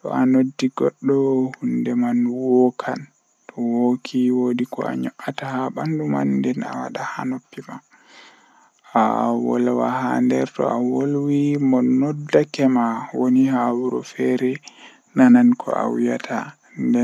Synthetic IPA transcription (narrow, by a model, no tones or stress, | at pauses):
tɔ̰anodːiɡɔɗːɔhundɛmanwokʰan | tʰɔwokʰiwodikɔ̰a̰ɲɔʔatahabanduma̰ndɛna̰wa̰ɗahanopːima | awɔ̰lwa̰handɛ̰ɾtɔ̰awolwimɔnɔdːakɛmawonihawuɾɔ̰fɛɾɛ | nanankʰɔ̰ʔa̰wijatʰa | ndɛ